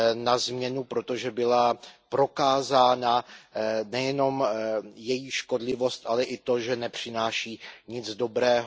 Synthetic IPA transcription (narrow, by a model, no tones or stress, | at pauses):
nazmɲɛnupɾo̞t̪o̞ʒɛbɪlapɾo̞kaːzaːna | nɛjɛno̞mjɛjiʃko̞dlɪvo̞st̪ʔalɛʔɪt̪o̞ʒɛnɛpr̝̥ɪnaːʃiːɲɪd͡zdo̞bɾɛːɦ